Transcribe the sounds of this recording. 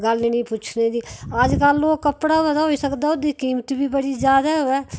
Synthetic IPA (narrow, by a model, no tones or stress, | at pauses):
ɡalnenĩput͡ʃʰned̪iaːd͡ʒkalːoːɡkəpɽaɦoɛt̪aɦoisəkd̪aod̪ikiːmt̪ibʱibəɽid͡ʒjaːd̪aɦoɛ